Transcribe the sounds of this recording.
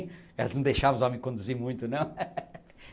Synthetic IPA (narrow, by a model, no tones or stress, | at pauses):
ɛlɐznɐ̃w̃d̪ejʃavɐ̃zɔmẽj̃kõnd̪uziɾmũj̃t̪unɐ̃w̃